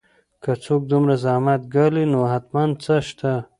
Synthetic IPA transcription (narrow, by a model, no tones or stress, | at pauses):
kat͡sok̚d̪umɾazamat̪̚ɡalinoɦat̪mand̪̚t͡səʃt̪a